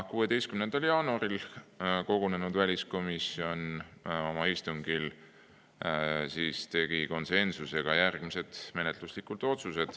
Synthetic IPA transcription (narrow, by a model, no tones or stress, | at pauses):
kuːe̞d̪e̞jst̪kymnend̪̥ɑljɑːnuɑɾilko̞ɡ̥one̞nud̪vælʲisko̞misio̞no̞mɑist̪uŋɡ̥il | siːst̪e̞ɡ̥iko̞nse̞nsuse̞ɡ̥ɑjærɡ̥mise̞d̪̥me̞ne̞t̪luslikˑult̪ˑo̞t̪suse̞d̪̥